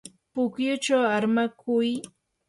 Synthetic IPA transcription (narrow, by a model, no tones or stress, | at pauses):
pʊkjʊt͡ʃawaɾmakʰʊj